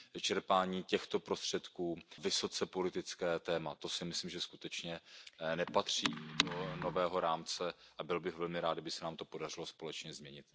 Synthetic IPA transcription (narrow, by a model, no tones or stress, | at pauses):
t͡ʃɛɾpaːɲiːcɛxt̪o̞pɾo̞st̪r̝̥ɛt̪kuːvɪso̞t͡sɛpo̞lɪt̪ɪt͡skɛːt̪ɛːmat̪o̞sɪmɪsliːmʒɛskut̪ɛt͡ʃɲɛnɛpat̪r̝̥iːdono̞vɛːɦo̞ɾaːmt͡sɛʔabɪlbɪɣvɛlmɪɾaːd̪abɪsɛnaːmt̪o̞po̞darɪlo̞spo̞lɛt͡ʃɲɛzmɲɛɲɪt̪̚